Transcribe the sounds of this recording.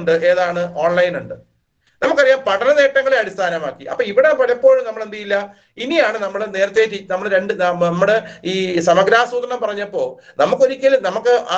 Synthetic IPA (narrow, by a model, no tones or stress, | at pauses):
ɳɖɨʔe̞ːðaːɳɨʔo̞ːɳlɐjnuɳɖɨ | nɐmukːɐrijaːmpɐʈʰɐnɐne̞ːʈːɐŋːɐɭeɐɽist̪ʰaːnɐmaːkːiɐ̰pːoːiʋiɽempɐɾɐpːo̞ːɻmnɐmːɐɭend̪ɐjilːɐ | inijaːɳɨnɐmːɐɭene̞ːɾɐt̪ːe̞ːtːinɐmːɐɭɾe̞ɳɖɨnɐɐmːuɽeiːsɐmɐɡɾaːsuːt̪ɐɳɐmpɐrɐɲːɐpːo̞ː | nɐmukːo̞ɾikʲːɐlnɐmukːɨʔaː